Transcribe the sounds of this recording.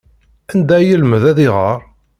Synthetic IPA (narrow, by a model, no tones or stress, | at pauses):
ænd̪æjəlməðæðɪʁəɾˤ